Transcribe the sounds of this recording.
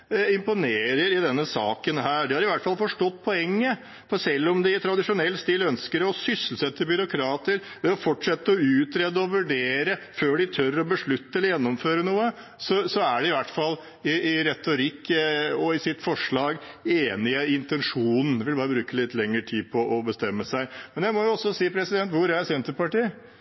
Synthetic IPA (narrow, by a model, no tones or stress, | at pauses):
ɪmpʊneːɾəɾɪd̪ɛnːəsɑːkənɦæːɾɖɪhɑɾɪʋæʈ̪fɑlfɔʂʈɔt̪ːpʰɔɛŋːə | fsɛlːɔmd̪ɪt̪ʰɾɑd̪ɪʂʊnɛlːst̪iːlœnskəɾəɔsʏsəlsɛt̪ːəbʏɾʊkʰɾɑːt̪əɾ | ʋɛɔfɔʈʂɛt̪ːəɔʉːt̪ɾɛd̪ːəɔʋʉɖeːɾəføːɖɪt̪ʰœɾɔbəʂɭʉt̪ːəɛlːəjɛnːɔmføːɾənuːə | sɔsɔæɖɛɪʋæʈːfɑlː | ɪɪɾɛt̪ːʊɾɪkːɔɪsɪt̪fɔʂɭɑːɡeːnɪəɪnt̪ɛnʂuːnn̩ʋɪlbɑːɾəbɾʉːkəlɪt̪lɛŋːəʈʰiːd̪pʰɔʔɔbəst̪ɛmːəsæɪmɛnjæɪmɔjʊɔsːɔsiːpʰɾɛsɪd̪ɛnt̪ʋʊɾɛsɛnt̪əpɑʈiːə